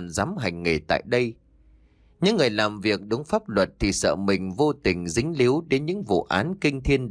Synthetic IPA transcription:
nzaː˨˦mɦa˨˩jŋ̟ŋe˨˩t̪a̰ː˧˨jɗə˧j | ɲɨ̰˧˥ŋːɨ˨˩əjlaː˨˩mvi˨˩ək̚ɗʊ˨˦ŋ͡mfaː˦˥p̚lwə˨˩t̚t̪ʰi˨˩sə̰ː˧˨mï˨˩ŋ̟vo˧t̪ï˨˩ŋ̟zï˨˦ŋ̟li˨˦wɗe˨˦nɲɨ̰˧˥ŋvṵ˧˨ʔaː˨˦nkï˧ŋ̟t̪ʰi˧ən

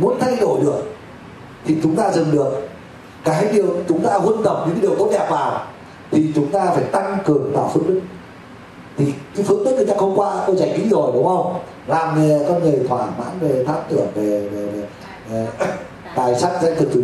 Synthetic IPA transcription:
mu˨˦ənt̪ʰa˧jɗo˧˩jɗɨ˨˩ək̚ | t̪ʰi˨˩t͡ɕʊ˨˦ŋ͡mt̪aː˧zɨ˨˩ŋɗɨ˨˩ək̚ː | aː˨˦ɗi˨˩əwt͡ɕʊ˨˦ŋ͡mt̪aː˧hə˧nt̪ə˨˩ŋ͡m̚ɲɨ̰˧˥kːa˨˦i˨˩əwkə˧˦wɗɛ˨˩p̚vaː˨˩w | t̪ʰi˨˩t͡ɕʊ˨˦ŋ͡mt̪aː˧faː˧˩jt̪a˧ŋkɨ˨˩əŋt̪aː˧˩fɨ̰˧˥əŋɗ̪ɨ˦˥k̚ | t̪ʰi˨˩ka˨˦fɨ˧˥əŋ̚ɗɨ˦˥k̚nə˧˩ɲa˧˩hə˧wŋ͡mkwaː˧˥t̪o˧wt͡ɕa˧˩jŋ̟ʔḭ˧˥zo˨˩jɗʊ˨˦wŋ͡mʔə˧wŋ͡m | laː˨˩m˨˧˩kɔ˧ŋɨ˨˩jt̪ʰwaː˧˩ma̰ː˧˥nve˨˩t̪ʰaː˧˥mt̪ɨ˧˩əŋve˨˩ve˨˩ve˨˩˨ | t̪aː˨˩jsa˦˥t̚zɛ̰˧˥k̪ɨ˨˩k̚t̪ɨ˧˩

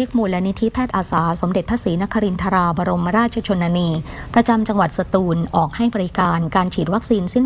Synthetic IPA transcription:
i˦˥k̚muː˨˩la˦˧˥ni˦˥t̪ʰi˦˥pʰɛː˥˩t̪ʔaː˧saː˩˦so˩˦mde˨˩t̪̚pʰa˦˥siː˩˦na˦˥kʰːa˧ɾi˧nt̪ʰa˧ɾaː˧baː˧ɾo˧mːa˥ɾaː˥˩t͡ɕʰa˧t͡ɕʰo˧nːaː˧niː˧pɾa˧t͡ɕa˧mt͡ɕa˧ŋwa˨˩t̪̚sa˧t̪uː˧nʔɔː˨˩k̚ha˥˩jbɔː˧ɾi˦˥kaː˧nkaː˧nt͡ɕʰiː˨˩t̪̚wa˦˥k̚siː˧nsi˥˩n

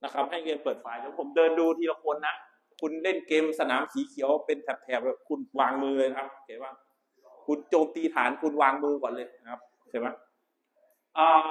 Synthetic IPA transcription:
na˦˥kʰa˦˥p̚ɦa˥˩jkeː˧mpɤː˨˩t̪̚faː˧jlʰɛː˨˦pʰo˩˦mdɤː˧nduː˧t̪ʰi˧la˧˥kʰo˧nːa˦˥ʔ | kʰu˧nle˥˩nkeː˧msa˧naː˩˦msiː˨˩˦kʰi˨˩˦əwpe˧nt̪ʰɛ˨˩p̚t̪ʰɛː˨˩p̚ɛ˨˩kʰu˧nwaː˧ŋmɯː˧lɤː˧na˧kʰa˦˥p̚kʰeː˧˩ma˦˥˩ | kʰu˧nt͡ɕoː˧mt̪iː˧t̪ʰaː˩˦nkʰu˧nwaː˧ŋmɯː˧kʰɔː˨˩˦lɤː˧jna˦˥kʰa˦˥p̚ | t͡ɕʰa˧˥˩ma˦˥ | ʔaː˧˩

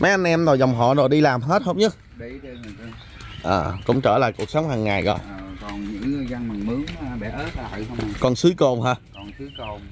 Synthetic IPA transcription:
ma˨˦jʔa˧nʔɛ˧mzo˨˩jzɔ˨˩wŋ͡mɦɔ̰˧˨zo˨˩jɗi˧laː˨˩mɦe˦˥t̚ho˦wɲɨ˦˥k̚ | ʔəː˨˩kʊ̰˧˥wŋ͡mt͡ɕəː˧˩la̰ː˧˨jku˨˩ək̚sə˨˦wŋ͡mhaː˨˩ŋːaː˨˩jɣɔ̰ː˧˨jɔ˨˩nɲɨ̰˧˥ŋ˨˩za˧nma˨˩ŋmɨ˨˦əŋ̚˧˦˥a̰˧˨jkɔ˨˩nsɨ˨˦əjko˧˩ŋ͡mɦaː˧˨˩

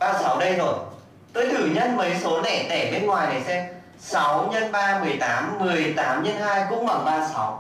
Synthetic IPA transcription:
ɓaː˧sa˨˦wɗə˧jzo˨˩j | t̪o˧jt̪ʰɨ˧˩ɲə˧nməː˨˦jso˨˦lɛ̰˧˩˨t̪ɛ˧˩ɓe˧nŋwaː˨˩jnə˨˩sɛ˧m | sa˨˦wɲə˧nɓaː˧mɨ˨˩əjt̪aː˨˦mːɨ˨˩əjt̪aː˨˦mɲə˧nɦaː˧jkʊ̰˧˥ŋ͡mɓa˨˩ŋɓaː˧sa˨˦w

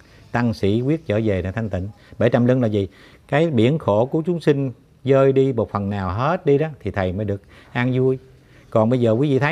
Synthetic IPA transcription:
t̪a˧ŋsḭ˧˩˥kwi˦˥ət̚t͡ɕəː˧˩ze˨˩a˨˩t̪ʰjŋ̟t̪ï˧˩˨ŋ̟ | ɓe˧˩t͡ɕə˨˩mlɨ˧ŋlaː˨˩zi˨˩ | kaː˨˦jɓi˧˩ənxo˧˩ku˧˩ət͡ɕʊ˨˦ŋ͡msï˧ŋ̟ | zəː˧jɗi˧mo˨˩t̚fə˨˩nːaː˨˩wɦe˦˥t̚ɗi˧ɗɔ˨˦t̪ʰi˨˩t̪ʰə˨˩jməː˨˦jɗɨ˨˩ək̚ | ʔaː˧ŋzu˧əj | kɔ˨˩nɓə˧jzəː˨˩kwi˨˦vḭ˧˨t̪ʰə˨˦

